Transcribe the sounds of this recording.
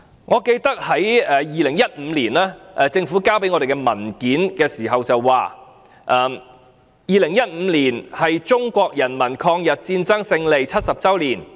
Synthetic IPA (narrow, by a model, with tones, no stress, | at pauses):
ŋɔː˨˧ke˧jt̪ɐ˥k̚hɐ˨˥jɛː˨˧jiː˨lɪ˨˩ŋjɐ˥t̚m̩ː˨˧liː˨˩naː˥ʔɛ˨˧t͡sɪ˧ŋfuː˨˥kaː˥wp̬e˨˥jŋɔ˨˧de˨jkɛ˧mɐ˨˩nkiː˨˥nkɛː˧siː˨˩ɦɐ˨wt͡sɐ˨wːaː˨˩ | ʔɛː˨˩m | jiː˨lɪ˨˩ŋjɐ˥t̚m̩˨˧liː˨˩nhɐ˨jt͡sʊ˥ŋkʷɔː˧k̚jɐ˨˩nmɐ˨˩nkʰɔː˧ŋjɐ˨t̚t͡siː˧nt͡sɐ˥ŋsɪ˧ŋle˨jt͡sʰɐ˥t̚sɐ˨p̚t͡sɐ˥wliː˨˩n